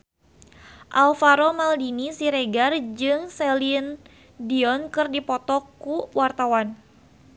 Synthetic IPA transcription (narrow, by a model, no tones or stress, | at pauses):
ʔalfaɾomaldinisiɾeɡard͡ʒɨŋselin | diɔnkɨrdipɔt̪ɔkːuwart̪awan